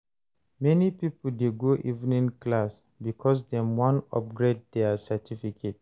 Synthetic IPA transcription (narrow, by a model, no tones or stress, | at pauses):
mɛnipipoldeɡoʔḭvnĩnklas | bikʰɔs̬dɛ̃mwɔ̃nɔ̰p̚ɡɹed̚dɛasɛtʰifikʰet̚